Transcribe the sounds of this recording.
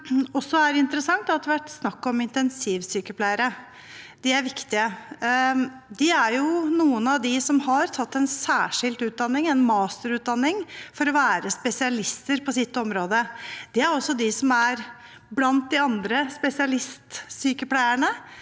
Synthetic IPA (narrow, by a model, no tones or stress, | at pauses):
ɔsːɔæɾɪnt̪əɾəsɑŋt̪ɑt̪əʋæʈːsnɑkːɔmɪnt̪ɛnsiːʋsyːkəpʰlæɪəɾə | d̪̥ɪæɾʋɪkt̪ɪə | d̪ɪæɾjʊnuːənɑʋd̪ɪsɔmhɑɾt̪ʰɑt̪ːɛnsæːʂɪld̪ʉːt̪̚d̪ɑnːɪŋɛnmɑːst̪əɾʉːt̪̚d̪ɑnːɪŋfɔɾɔʋæːɾəspɛsɪɑlɪst̪əɾpʰɔsɪt̪ːɔmɾoːd̪əd̪̥ɛæɾɔsːɔd̪ɪsɔmæɾ | blɑnt̪̚d̪ɪɑnd̪ɾəspɛsɪɑlɪst̪syːkəpʰlæɪəɳə